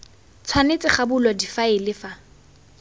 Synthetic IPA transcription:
t͡sʰwanet͡sʼɪχabʊlɔdifaɪlɪfa

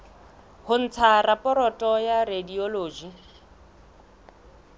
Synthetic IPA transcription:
hʊn̩t͡sʰarapʼɔɾɔtʼɔjaredioloːd͡ʒi

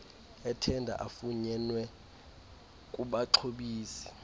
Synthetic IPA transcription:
ɛtʰɛndʱa̰ʔafuɲɛnwɛ | kʼuɓaǁʰoɓiːsɛ̥

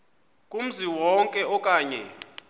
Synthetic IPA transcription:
kʼum̩ziwɔŋkʼɛɔkʼaːɲɛ̰

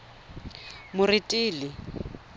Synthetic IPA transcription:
mʊrɪtʼiːlɪ

